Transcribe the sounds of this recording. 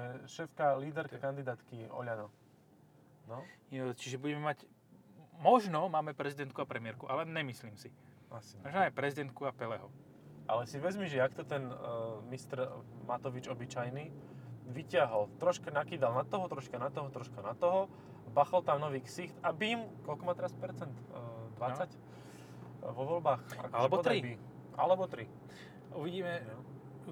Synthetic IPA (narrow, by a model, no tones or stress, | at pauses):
ɛʃɛfkaliːd̪ɛɾkakand̪id̪aːt̪kiɔ̰ʎanɔ | nɔt͡ʃiʒɛbuɟɛmɛmac | mɔʒnɔmaːmɛpɾɛzid̪ɛnt̪̚kuapɾɛmɪɛɾkuʔalɛɲɛmisliːmsi | smaʒnajpɾɛzid̪ɛnt̪̚kuapɛlɛɦɔ | ʔalɛsiʋɛzmiʒɛakt̪ɔt̪ɛnmist̪ɾmat̪ɔʋid͡ʒɔbit͡ʃajniːʋicɪaɦɔlt̪ɾɔʃkanakiːd̪alnat̪ɔɦɔt̪ɾɔʃkanat̪ɔɦɔt̪ɾɔʃkanat̪ɔɦɔ | baxalt̪amnɔʋiːksixt̪abimkɔlkɔmat̪ɛɾaspɛɾt͡sɛnt̪d̪ʋat͡sac | ʋɔʋɔlbaːxa̰kalɛbɔɔd̪ɾibi | a̰lɛbɔt̪ɾi | uʋiɟiːmɛ